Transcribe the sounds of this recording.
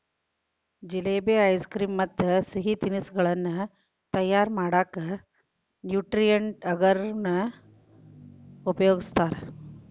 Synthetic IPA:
d͡ʒileːbeɐjskɾiːmːɐt̪ːɐsiɦit̪inisɡɐɭɐnːu | t̪ɐjːaːɾmaːɽaːkɐ | njuːʈɾijɐɳʈɐɡɐɾnɐ | upɐjoːɡist̪aːɾe

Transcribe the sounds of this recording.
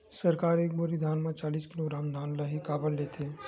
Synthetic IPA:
səɾkaːɾeːk̚boɾid̪ʱaːnmãt͡ʃaːliːskɪloɡɾaːmd̪ʱaːnləɦikaːbəlleːt̪ʰeː

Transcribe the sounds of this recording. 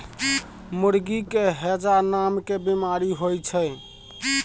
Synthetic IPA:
muɾɡikeɦed͡ʒanamkebimaɾiɦojt͡ʃʰə

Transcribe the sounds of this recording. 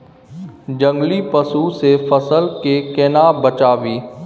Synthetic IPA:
d͡ʒə̃ŋɡlipəsusefəsəlkekenabət͡ʃaːʋiː

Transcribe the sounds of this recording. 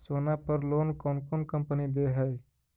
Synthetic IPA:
soːnapəɾloːnkoːnkonkə̃mpənid̪eɦəj

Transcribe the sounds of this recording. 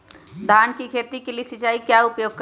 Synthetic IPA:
d̪ʱaːnkikʰeːt̪ikeliesɪt͡ʃaːikjaʊpjoːɡ̚kə

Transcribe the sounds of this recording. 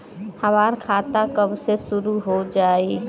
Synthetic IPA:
həmaɾkʰat̪akəbsesuɾuɦod͡ʒaːi

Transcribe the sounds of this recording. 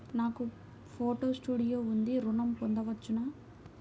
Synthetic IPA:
naːku | pʰoːʈoːsʈuːɽijoːund̪iɾunɐmpond̪ɐʋɐt͡ʃːunaː

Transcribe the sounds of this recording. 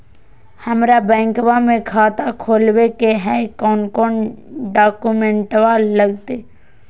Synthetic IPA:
həmɾabɛ̃ːŋkwamẽkʰaːt̪akʰoːlwekeɦɛkɔːnkɔːnɖaːkumẽɳʈwaːllːəɡt̪eː

